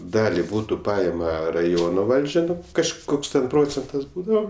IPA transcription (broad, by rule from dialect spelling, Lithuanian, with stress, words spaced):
ˈdɑːlʲɪ ˈbuːtʊ ˈpɐɪmɐ rɐˈjoːnoː ˈʋɐlʲd͡ʒʲɛ kɐʃˈkoːks tʲɛn ˈproːt͡sʲɛntɐs ˈbuːdɐʋoː